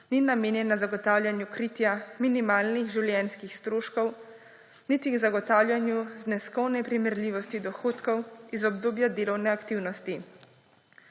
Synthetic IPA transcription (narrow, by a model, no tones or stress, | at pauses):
ninameːnjɛnːazaɡɔt̪aːwlʲjanjukɾit̪jaminimaːlniɣʒiwljɛnskixst̪ɾoːʃkɔw | nit̪iɡzaɡɔt̪aːwlʲjanjuznɛskɔwnɛpɾimɛɾliʋɔst̪id̪ɔxoːt̪kɔwizɔb̚d̪oːbjad̪eːlɔwnɛakt̪iwnɔst̪i